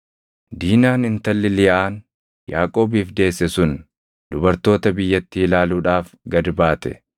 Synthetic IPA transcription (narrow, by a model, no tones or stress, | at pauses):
d̪iːnaːnɪnt̪ɐlːɪlɪjaːn | jaːkʼo̞ːbiːfd̪e̞ːsːɛsʊn | d̪ʊbɐɾt̪o̞ːt̪ɐbɪjːɐt̪ːɪɪlaːluːᶑaːfɡɐd̪baːt̪ɛ̰